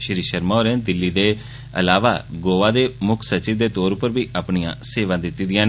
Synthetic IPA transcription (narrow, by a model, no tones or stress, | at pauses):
ʃɾiːʃəɾmaoːɾẽːd̪ɪlːiːd̪eː | ə̰laːʋa̰ːɡoːʋaːd̪eːmʊkʰsət͡ʃiːd̪eːt̪oːɾʊpəɾbiːʔaːpɳiã̰ːseːʋãːd̪ɪt̪ːiːd̪ɪjãː